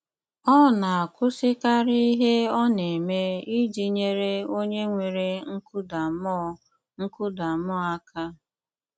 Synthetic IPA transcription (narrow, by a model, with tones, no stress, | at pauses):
ɔ˦˨na˨a˨kʷʊ˦sɪ˦ka˦ɾi˦i˦ɦe˦ɔ˦ne˨me˦i˦d͡ʒi˨ɲe˦ɾe˦o˦ɲe˦ŋʷe˨ɾe˦ŋ̩˦ku˦da˨m˦ | ŋ̩˦kʊ˦da˨mɔ˦a˦kʰa˦